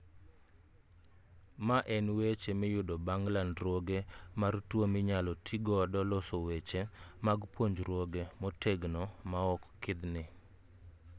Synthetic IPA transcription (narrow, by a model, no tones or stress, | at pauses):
maʔɛnwet͡ʃemɪjʊdɔbaŋɡlanɾwoɡemartwomɪɲalɔtʰiɡɔdɔlɔsowet͡ʃemaɡpwoɲd͡ʒɾwoɡemɔtʰeɡnɔmaɔkːɪd̪nɪ